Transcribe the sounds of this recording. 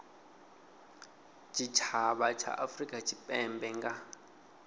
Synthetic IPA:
t͡ʃʼit͡ʃʰaβat͡ʃʰa̰ʔafrikʼat͡ʃʰʼipʼɛmbɛŋɡa

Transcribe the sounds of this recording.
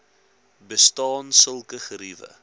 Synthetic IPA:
bəstɑːnsəlˠkəχəɾivə̰

